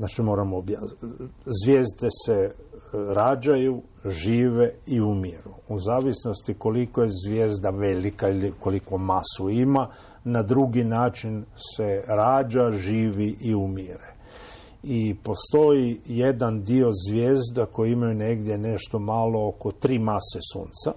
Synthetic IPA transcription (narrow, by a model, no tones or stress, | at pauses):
znat͡ʃimo̞ːɾamobja | zʋje̞ːzd̪e̞se̞ | ɾaːd͡ʒaju | ʒiːʋe̞iumiɾuuzaːʋisno̞st̪iko̞likojezʋjeːzd̪aʋelikailiko̞liko̞masuima | nad̪ɾuɡinaːt͡ʃinse̞ɾaːd͡ʒaʒiːʋiʔiumiɾe | ipo̞st̪o̞jijed̪and̪io̞zʋjeːzd̪ako̞jiimajune̞ɡd̪je̞ne̞ʃt̪o̞malo̞oko̞t̪ɾiːmasesṵːnt̪sa